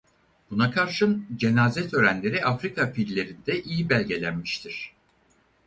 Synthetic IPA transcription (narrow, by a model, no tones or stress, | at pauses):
b̥unakʰaɾʃɯnd͡ʒe̞naːzɛt̪ʰø̞ːɾænlʲe̞ɾiʔafɾikʰafilʲːe̞ɾind̪ɛʔijibælʲɟe̞lʲænmiʃt̪ʰiɾ̥